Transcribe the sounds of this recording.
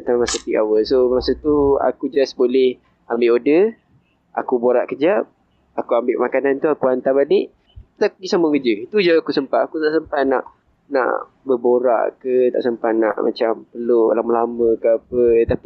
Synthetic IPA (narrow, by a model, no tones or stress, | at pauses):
ət̪amasap̪iʔawəlsomasat̪ua̰kud͡ʒasbolɛh | ambɪʔodə | ʔa̰kuboɾaʔkəd͡ʒap̚ | akuambɪʔmakanant̪uakuant̪abaliʔ | t̪akuɡisaməkəd͡ʒəit̪ud͡ʒaakusəmpat̪̚akut̪aʔsəmpat̪̚na̰ʔ | na̰ʔ | bəboɾa̰ʔkət̪a̰ʔsəmpat̪̚na̰ʔma̰t͡ʃampərlolaməlaməkəap̚ət̪api